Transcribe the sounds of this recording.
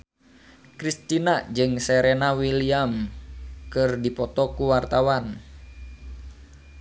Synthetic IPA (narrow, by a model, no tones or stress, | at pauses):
kɾist̪inad͡ʒɨŋsɛɾenawiliam | kɨrdipɔt̪ɔkuwart̪awan